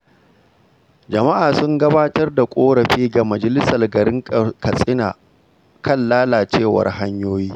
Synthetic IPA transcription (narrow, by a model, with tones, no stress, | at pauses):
d͡ʒɐ˨ma˦ʔaː˨sʊ˦ŋɡɐ˦baː˦tɐ˦rda˨kʷʼoː˦ɽɐ˨ɸiː˦ɡa˨mɐ˨d͡ʒɐ˨lɪ˦sɐ˨rɡɐ˨ɾɪ˦ŋkɐ˨sʼɪ˦na̰ː˨ | kʰɐ˦˨nːaː˦laː˨t͡ʃeː˦˨wɐ̰˨rɦa˦ɲjoː˦jiː˦